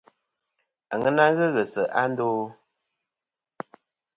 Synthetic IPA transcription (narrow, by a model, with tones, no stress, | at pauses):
a˨ŋə˦na˦ɣə˦ɣə˨sə˨ʔa˦n˦doː˦